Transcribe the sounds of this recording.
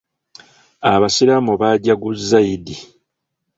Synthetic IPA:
aβasiɾamoβaɟaɡuzːaidi

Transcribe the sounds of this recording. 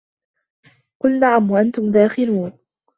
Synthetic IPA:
qʊlnaʕamwaʔant̪ʊmd̪aːxɪluːn

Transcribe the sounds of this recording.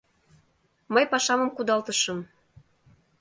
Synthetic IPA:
məjpɑʃɑmɤ̆mkud̪ɑlt̪əʃɤm

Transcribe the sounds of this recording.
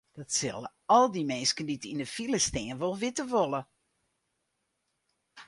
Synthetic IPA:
d̥ɔtsɪ̰lˠə | ɔlˠdimɛːskənditinəfiləstɛːnʋolˠʋɪtəʋolˠə

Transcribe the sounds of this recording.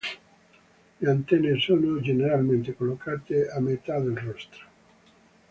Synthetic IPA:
leant̪ɛnːesoːnod͡ʒeneɾalment̪ekolːokʰaːt̪eamːet̪ad̪elrɔst̪ɾo̥

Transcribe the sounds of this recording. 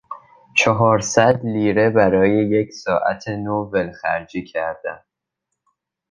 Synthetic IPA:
t͡ʃʰɒɦɒːɾsæd̪liːɾe̞bæɾɒːje̞je̞cʰsɒːʔæ̰t̪ʰenovelxæ̰ɾd͡ʒiːcʰæɾd̪̥æn

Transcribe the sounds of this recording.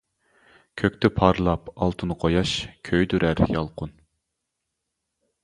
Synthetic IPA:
kʲʰøkʲt̪ʰɛpʰɑɾlˠɑpɑlˠt̪ʰɨnqʰojɑʃkʲʰøjd̪yɾæɾjɑlˠqʊn

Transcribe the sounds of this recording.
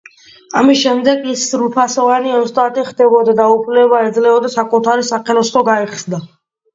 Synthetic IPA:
amisʃɛmd̪ɛɡisɾupʰasɔvaniɔst̪ʼat̪ʼiχd̪ɛbɔd̪ad̪aupʰlɛbaɛd̪zlɛɔd̪asakʼut̪ʰaɾisaqʰɛlɔslɔɡaiɛχsd̪a

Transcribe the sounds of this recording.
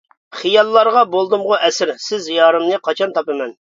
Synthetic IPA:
χijɑlˠːɑɾʁɑbolˠd̪ɨmʁʊʔɛsɪɾsɪzjɑːɾɨmnɨqʰɑt͡ʃʰɑnt̪ʰɑpɨmɛn

